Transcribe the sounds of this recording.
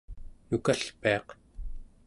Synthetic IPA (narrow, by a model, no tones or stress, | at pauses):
nukaɬpeɑq